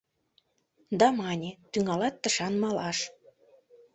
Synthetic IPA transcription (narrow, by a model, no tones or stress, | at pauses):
d̪ɑmɑnʲet̪yŋɑlɑt̪ːəʃɑnmɑlɑʃ